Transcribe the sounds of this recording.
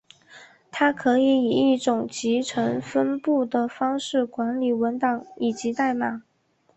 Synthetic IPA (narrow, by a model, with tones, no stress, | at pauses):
t̪ʰa˥kʰɤ˧˥i˧˩i˨˩i˥˩ʈ͡ʂʊ˨˩ŋt͡ɕi˧˥ʈ͡ʂʰɤ˧˥ŋfə˥npu˥˩d̪ə˩fɑ˥ŋʂɻ̩˥˩kwa˧˥nli˨˩wə˧˥nt̪ɑ˨˥˦ŋi˨˩t͡ɕi˧˥t̪a˥˧ɪma˨˩˦